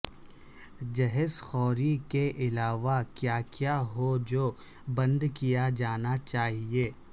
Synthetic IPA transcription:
d͡ʒɛɦɛsxɔːɾikeʔɪlaːʋakjaːkjaːɦod͡ʒoː | bɐ̃nd̪kijad͡ʒaːnat͡ʃaːɦieː

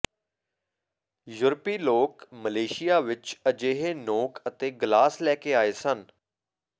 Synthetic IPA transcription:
jʊɾpiːloːkməleːʃɪjaːʋɪt͡ʃəd͡ʒeːɦeːnoːkət̪eːɡlaːslɛːkeːaːeːsən

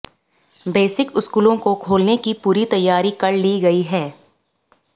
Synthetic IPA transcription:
beːsɪkʊskuːlõkokʰoːlnekipuːɾit̪ɐjːaːɾikɐɽliːɡɐiɦɛː

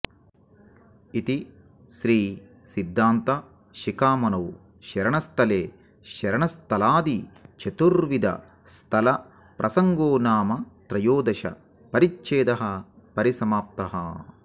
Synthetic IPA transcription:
it̪i | sɾiː | sid̪ʱːaːnt̪ɐ | ʃikaːmɐnɐwu | ʃɐɾɐɳɐst̪ʰɐleː | ʃɐɾɐɳɐst̪ʰɐlaːd̪it͡ʃet̪uɾʋid̪ɐ̰ | st̪ʰɐlɐ | pɾʔɐsɐŋɡoːnaːmɐt̪ɾɐjoːd̪ɐʃɐ̰ | pɐɾit͡ʃt͡ʃeːd̪ɐɦɐpɐɾisɐmaːp̚t̪ɐɦɐ̰

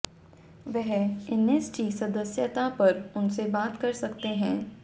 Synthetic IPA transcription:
ʋɛɦɛneːsʈisɐd̪əsjət̪apɐɾʊnsebaːt̪kɐɾsɐkt̪eɦɛ̃ː

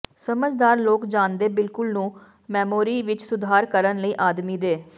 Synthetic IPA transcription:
səməd͡ʒd̪aːɾloːkd͡ʒãːnd̪eːbɪlkʊlnũː | mɛːmoːɾiːʋɪt͡ʃsʊd̪ʱaːɾkəɾənləiːʔaːd̪miːd̪eː

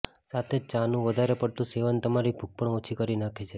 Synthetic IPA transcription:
sat̪ʰed͡ʒt͡ʃanũʋəd̪ʱaɾepəɽt̪ũseʋənt̪əmaɾibʱuɡ̚pəɳot͡ʃʰikəɾinakʰet͡ʃʰe

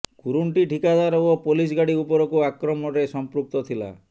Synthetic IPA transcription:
kuɾuɳʈiʈʰikad̪aɾɔɔpolis̬ɡaɽiupɔɾɔkuakɾɔmɔɾesɔmpɾuk̚t̪ɔt̪ʰila̰

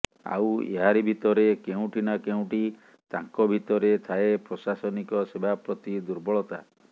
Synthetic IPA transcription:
a̰wḛɦaɾibʱit̪ɔɾekeũʈʰinakeũʈi | t̪ãŋkɔbʱit̪ɔɾet̪ʰaepɾɔsasɔnikɔsebʱapɾɔt̪id̪uɾbɔɭɔt̪a̰

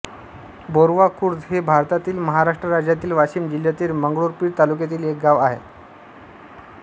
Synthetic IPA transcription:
boɾʋakuɾd̪ɦebʱaɾt̪at̪iːlməɦaɾaʂʈɾəɾad͡ʑjat̪iːlʋaɕiːmd͡ʑil̤jat̪iːɾməŋɡɭoɾpiːɽt̪alukjat̪̬iːlek̚ɡaʋaɦḛ

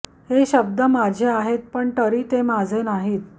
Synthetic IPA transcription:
heɕəb̚d̪əmad͡ʑʱeaɦet̪̚pəɳʈəɾiːt̪emad͡zʱenaɦiːt̪

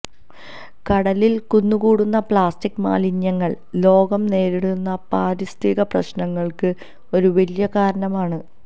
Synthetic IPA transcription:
kɐɽɐlilkunːukuːɽunːɐpɭaːstikːma̰ːlinjɐŋːɐɭ | lo̞ːɡɐmne̞ːɾiɽunːɐpaːɾist̪iɣɐprɐ̰ɕnɐŋːɐɭkɨ | o̞ɾuʋeljɐkaːɾɐɳɐmaːɳɨ

